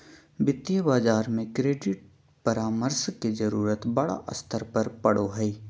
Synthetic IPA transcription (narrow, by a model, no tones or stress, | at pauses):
bɪt̪jəbaːd͡ʒaːɾmẽkɾeːɖɪʈ̚ | pɐɾaːməɾskezɐɾuːɾət̪bɐɽa̰ʔɐ̰st̪ʰəɾpɐɾpɐɽoɦɛi